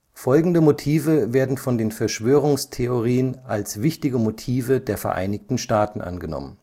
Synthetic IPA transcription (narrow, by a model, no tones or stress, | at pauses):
fɔlɡŋ̩dəmotʰiːvəveːɐdn̩fɔndeːnfɛɐʃv̥øːʁ̞ʊŋstʰeoʁiːənʔalsvɪçtɪɡəmotʰiːvədeːɐfɛɐʔa̰ɪnɪçtn̩ʃtaːtn̩ʔa̰nɡənɔ̰mən